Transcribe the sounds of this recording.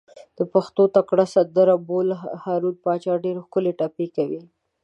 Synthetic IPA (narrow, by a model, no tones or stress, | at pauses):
d̪̥əpaxt̪ot̪akɽasad̪əɾabolhɑɾud̪̚pɑt͡ʃɑɖeɾexkʊleʈapekawi